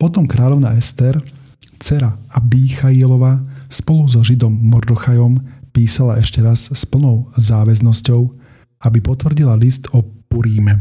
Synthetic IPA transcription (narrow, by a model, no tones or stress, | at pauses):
pɔt̪ɔmkɾaːʎɔʊna̰ɛst̪ɛɾ | t͡sɛɾaabiːxailɔʋaspɔluzɔʒid̪ɔmːɔɾd̪ɔxajɔmpiːsalaʔɛʃcɛɾasspl̩nɔʊzaːʋɛznɔscɔʊ | abipɔt̪ʋr̩ɟilalist̪ɔpuɾiːmɛ